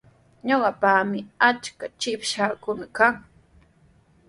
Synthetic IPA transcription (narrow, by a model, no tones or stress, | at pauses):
ɲoɢɑpaːmɪat͡ʃkat͡ʃɪpʃaːkʊnkaŋ